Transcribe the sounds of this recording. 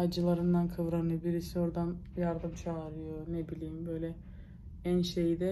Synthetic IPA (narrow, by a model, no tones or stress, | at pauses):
ad͡ʒɯlˠaɾɯnd̪ankʰavɾanɯjobiɾisio̞ɾd̪anjaɾd̪ɯmt͡ʃʰaːɾɯjonebilʲiːmbø̞jlʲɛ | ænʃejd̪ɛ